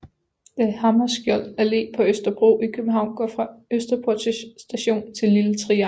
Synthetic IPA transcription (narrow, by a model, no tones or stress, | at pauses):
d̥ehɑ̈mɐsɡ̥jɒl̰æle̝̰ːpʰɒ̽øsd̥ɐb̥ʁo̝̰ːikʰøb̥m̩ɦɑ̈ʊ̰nɡ̥ɒ̰fʁɑ̈øsd̥ɐpʰot͡sisd̥æɕo̝̰ːnt͡sʰe̝lːilət͡sʰʁiɑ